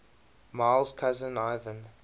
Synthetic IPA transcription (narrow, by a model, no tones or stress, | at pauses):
maɪlˠzkʰazə̃naɪvə̃n